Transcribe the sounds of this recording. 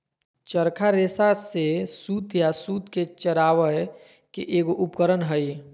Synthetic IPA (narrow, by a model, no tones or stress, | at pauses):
t͡ʃəɾkʰaɾeːsasesuːt̪jasuːt̪ket͡ʃəɾaːʋə | keʔeːɡoʔʊpkəɾənɦəi